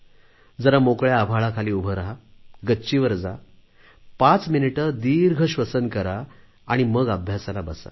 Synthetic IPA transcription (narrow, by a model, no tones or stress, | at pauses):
d͡zəɾamokɭjaːbʱaɭakʰaliːubʱəɾaɦaɡətːɕiʋəɾd͡za | pat͡sminiʈəd̪iɾɡʱəɕʋəsənkəɾa | aɽ̃iməɡabʱjasalabəsa̰